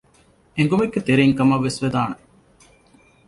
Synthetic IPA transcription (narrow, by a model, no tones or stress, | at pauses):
eŋ̆ɡumeɡːet̪eɾeːŋkɐmɐʋːesʋed̪aːne